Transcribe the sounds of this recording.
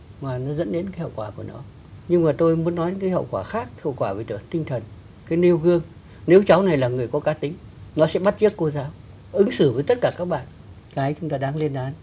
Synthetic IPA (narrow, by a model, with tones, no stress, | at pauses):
maː˨˩nɔ˨˦zə̰˧˥nɗe˨˦nkaː˨˦hə̰˧˨wkwaː˧˩ku˧˩ənɔ̰˨˦ | ɲɨ˧ŋmaː˨˩t̪o˧jmu˨˦nːɔ˨˦ɲɨ̰˧˥ŋkːaː˨˦jɦə̰˧˨wkwaː˧˩xaː˦˥k̚hə̰˧˨wkwaː˧˩ve˨˩t̪ɨ̰˨˧˩ə˨˦t̪ï˧ŋt̪ʰə˨˩n | kaː˨˦jli˧əwɣɨ˧əŋ | ne˨˦wt͡ɕa˨˦wna˨˩jlaː˨˩ŋɨ˨˩əjkɔ˨˦kaː˨˦t̪ï˨˦ŋ̟nɔ˨˦sɛ̰˧˥ɓa˦˥t̚t͡ɕɨ˦˥əkːo˧zaː˨˦w | ʔɨ˨˦ŋsɨ˧˩vəː˨˦jt̪ə˦˥t̚kaː˧˩kaː˦˥k̚ɓa̰ː˧˨n | kaː˨˦jt͡ɕʊ˨˦ŋ͡mt̪aː˧ɗaː˧˩ŋli˧ənʔaː˨˦n